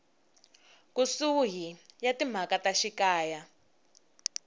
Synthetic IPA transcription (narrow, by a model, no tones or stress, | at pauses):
kusuɦijatim̤akataʃikaːja